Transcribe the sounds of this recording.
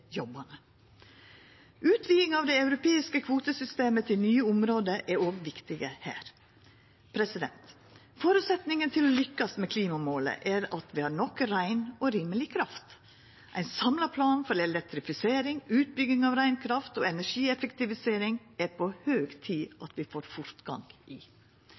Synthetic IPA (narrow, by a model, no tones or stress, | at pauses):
jɔbɑnə | ʔʉːt̪ʰʋiːɪŋɑʋd̪ɛɑʉɾʊpʰeːɪskəkʰʋuːt̪əsʏst̪eːmət̪ʰɪlnyːəʊmɾoːd̪əʔɛɾoːɡʋɪkt̪ɪɡəhæ̰ːɾ | pʰɾɛsɪd̪ɛ̰nt̪ | fɔɾʉːt̪sɛt̪nɪŋənt̪ʰɪlɔlʏkːɑsmɛkʰliːmɑmoːlə̰ʔæɾɑt̪ʋɪhɑɾɳɔkɾæɪnɔɾiːməlɪkʰɾɑft̪ | ʔæɪnsɑmlɑpʰlɑːnfɔɾɛlɛk̚t̪ɾɪfɪseːɾɪŋʉːt̪̚bʏɡɪŋɑʋɾæɪnkʰɾɑft̪ɔːɛnæʂiːɛfəkt̪ɪʋɪseːɾɪŋæɾpʰɔhøːɡt̪ʰiːʔɑt̪ʋɪfoːɾfʊɾt̪ɡɑ̰ŋʔɪ